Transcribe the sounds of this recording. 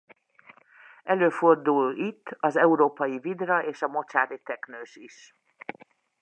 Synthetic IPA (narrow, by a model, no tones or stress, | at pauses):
ɛløːford̪ulit̪ːɒzɛuɾoːpɒjivid̪rɒʔeːʃɒmo̞t͡ʃaːɾit̪ɛknøːʃiʃ